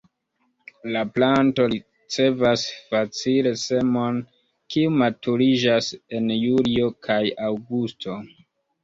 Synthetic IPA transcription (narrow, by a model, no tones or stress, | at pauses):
laplanto̞ɾi | t͡se̞vasfat͡sile̞se̞mo̞n | kiumatuɾid͡ʒase̞njulio̞kʰajawɡustʰo̞